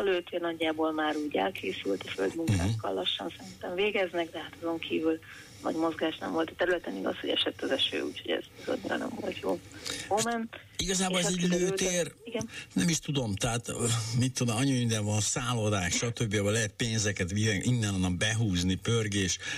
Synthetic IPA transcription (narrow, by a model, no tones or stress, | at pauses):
løːt̪eːrnɒɟːaːbolmaːɾuːɟɛ̰lkʰeːsylt̪ɒfø̰ld̪muŋka̰ːkːɒ̰lːɒʃːɒ̰nsɛɾint̪ɛɱveːɡɛznɛɡd̪ɛɦat̪ɒzo̞ŋkʰiːvyl | nɒ̰ɟmo̞zɡaːʃnɛ̰mvo̞lt̪ɒ̥t̪ɛɾylɛt̪ɛniɡɒ̰sho̞ɟɛ̰ʃɛt̪ːɒzɛʃø̰ːṵːchoɟɛ̰zbizo̰ɲːiɾɒ̰nɛ̰ɱvo̞lt̪joːomɛn | iɡɒzaːbolɛzɛɟløːeːriɡɛnnɛmiʃt̪ud̪o̞mt̪ɛɦat̪ːmit̪ːod̪ɛɒɲyind̪ɛnvɒnsaːlod̪aːkʃɒt̪øbːijabɔlɛɦɛt̪̚peːnzɛkɛt̪iɛʔinːɛnɦonːɒmbɛɦuːznipørɡeːʃ